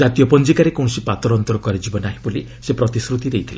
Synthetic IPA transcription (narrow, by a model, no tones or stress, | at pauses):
d͡ʒat̪ijɔpɔnd͡ʒikaɾekɔ̃sipat̪ɔɾɔnt̪ɔɾɔkɔɾid͡ʒibɔnaɦĩbuli | sepɾɔt̪isɾut̪id̪ejt̪ʰile